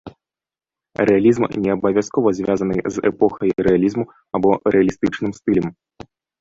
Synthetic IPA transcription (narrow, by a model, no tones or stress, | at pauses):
ɾɛalʲizmnʲɛɐbɐvʲaskɔvɐzʲvʲazɐnɨzɛ̰pɔxɐjɾɛalʲizmu | ɐbɔɾɛɐlʲist̪ɨt͡ʂnɨmst̪ɨlʲɛm